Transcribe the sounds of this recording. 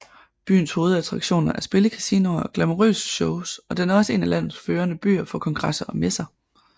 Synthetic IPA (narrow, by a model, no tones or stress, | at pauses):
b̥y̰ːn̩sho̝ːð̞̩ˠæt͡sʰʁɑ̈ɡ̥ɕo̝̰ːnɐʔæɐsb̥e̝ləkʰæsinɐɒ̽ɡ̥læmoʁø̰ːsə̥ɕɔʊsɒ̽d̥enæɐɒ̽səe̝̰ːnælæn̰ð̩ˠsføːɐnəb̥y̰ːɐfɒ̽kʰɒ̽ŋɡ̥ʁɑsɐɒ̽mesɐ